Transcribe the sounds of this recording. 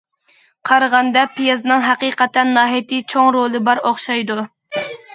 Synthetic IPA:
qʰɑɾʁɑnd̪ɑpʰijezɨnɨŋɦæqiːqɛt̪ɛnːɑːɦijt̪ʰit͡ʃʰoŋɾolˠɨbɑɾoχʃɑjd̪u

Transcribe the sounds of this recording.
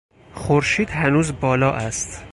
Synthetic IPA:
xoɾʃiːd̪hænuːzbɒːlɒːʔæst̪

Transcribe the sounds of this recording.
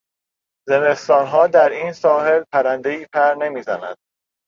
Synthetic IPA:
ze̞me̞st̪ɒːnɦɒːd̪æɾiːnsɒːɦe̞lpʰæɾænd̪e̞iːpʰæɾne̞miːzæ̰næ̰d̪̥̚

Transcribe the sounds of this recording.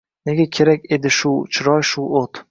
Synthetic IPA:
ne̞ɡʲakʲʰe̞ɾakʲe̞d̪ɪʃʊt͡ʃʰɾɒjʃʊot̪

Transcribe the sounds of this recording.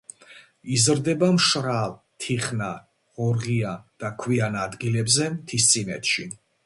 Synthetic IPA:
izɾd̪ɛbamʃɾav | t̪ʰiχna | ʁɔɾʁiad̪̥akʰwianad̪ɡilɛbzɛmt̪ʰist̪sʼinɛ̰t̪ʃi

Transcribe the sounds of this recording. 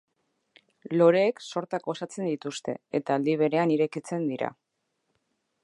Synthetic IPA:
lo̞ɾe̞ːkso̞ɾt̪ako̞sat͡se̞nd̪it̪ust̪e̞̰et̪aːld̪iβ̞e̞ɾe̞aniɾe̞kit͡se̞nd̪iɾa̰

